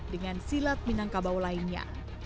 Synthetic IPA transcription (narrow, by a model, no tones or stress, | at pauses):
dəŋansilat̪̚minaŋkabawlainɲa̰